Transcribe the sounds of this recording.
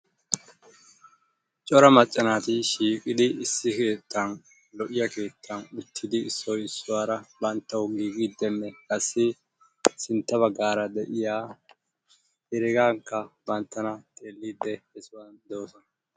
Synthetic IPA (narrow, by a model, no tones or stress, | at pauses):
t͡ʃʼɔɾɐmɐt͡ʃʼːɐnaːt̪ɪʃiːkʼɪd̪ɪɪsːɪke̞ːt̪ʰːɐn | lɔʔɪjɐke̞ːt̪ʰːɐnʊt̪ʰːɪd̪ɪːsːɔjɪsːʊwaːɾɐbɐnt̪ːɐwɡiːɡid̪ːɛnːɛkʼɐsːɪ | sɪnt̪ːɐβɐɡːaːɾɐd̪ɛʔɪjaː | ɛɾɪɡaːŋkːɐbɐnt̪ːɐnɐt̪ʼe̞ːlːiːd̪ːɛhɛsʊwand̪oːsɔnɐ